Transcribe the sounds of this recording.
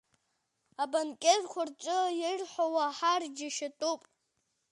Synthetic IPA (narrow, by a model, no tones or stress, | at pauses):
abankʲʼerkʷʰart͡ʃʷʼʊjɪrħʷawaħard͡ʒaʃatʼupʼ